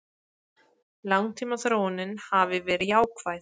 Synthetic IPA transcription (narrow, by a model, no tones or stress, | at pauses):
lawŋt̪ʰiːmaθɾoːwnɪnhavɪvɛːɾɪjaːwkʰvajθ